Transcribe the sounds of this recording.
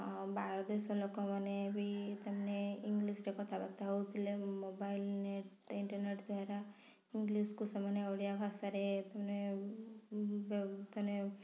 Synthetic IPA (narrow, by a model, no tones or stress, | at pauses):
baɾɔd̪esolɔkomanebʱit̪əmneiŋɡlisɾekɔt̪ʰabat̪aɦwt̪ilemobailneʈ | iɳʈəɾneʈd̪ʱwaɾa | iŋɡliskusəmənoɽijabʱasaɾet̪əmne | bt̪ɔne